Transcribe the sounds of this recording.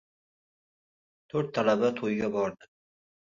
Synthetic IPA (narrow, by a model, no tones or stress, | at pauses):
t̪ʰɵɾt̪ʰːalabat̪ʰojɡʲabɒɾd̪ɪ